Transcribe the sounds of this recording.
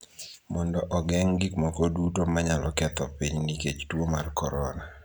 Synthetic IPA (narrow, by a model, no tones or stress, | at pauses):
mɔndɔʔɔɡɛŋɡikmɔkɔdutomaɲalɔkɛt̪ɔpiɲniket͡ʃtwomarkɔɾɔna